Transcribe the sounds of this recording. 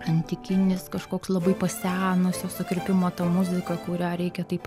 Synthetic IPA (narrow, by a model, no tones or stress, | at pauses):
ɐnʲt̪ʲɪkʲɪnʲɪskɐʃkoːkslˠɐbɐɪpɐsʲæːnʊsʲjosʊkɾʲɪpʲɪmoːt̪ɐmʊzʲɪkɐkʊɾʲæːɾʲɛɪkʲɛt̪ɐɪp